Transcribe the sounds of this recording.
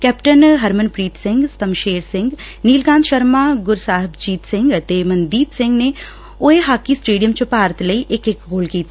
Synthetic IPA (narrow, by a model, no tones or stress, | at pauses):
kɛːpʈənɦɐɾmənpɾiːt̪sɪ̃ŋɡst̪ɐmʃeːɾsɪ̃ŋɡ | niːlɡãːnd̪ʃɐɾmaːɡʊɾsaːɦɪbd͡ʒiːt̪sɪ̃ŋɡt̪eːmɐ̃nd̪iːpsɪ̃ŋɡne | oːeɦaːkisʈeːɖijəmt͡ʃopaːɾt̪lɐiʔekekɡoːlkiːt̪ʰː